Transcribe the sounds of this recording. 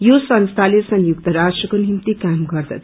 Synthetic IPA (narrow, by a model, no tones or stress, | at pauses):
josʌnst̪ʰalesʌnjuk̚t̪ʌɾasʈrʌkonimt̪ikamɡʌrd̪ʌ̰